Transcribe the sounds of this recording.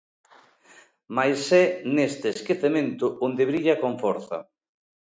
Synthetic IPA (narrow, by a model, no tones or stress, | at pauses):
majsɛnest̪ɪːskeθemẽnt̪ʊond̪ɪβɾiʎɐkoɱfɔɾθɐ̰